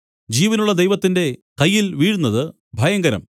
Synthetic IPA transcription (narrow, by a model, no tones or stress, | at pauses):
d͡ʑiːʋɐnuɭːɐd̪ejʋɐt̪ːinde̞kɐjːilʋiːɻunːɐðɨ | bʱɐjɐŋɡɐɾɐ̰m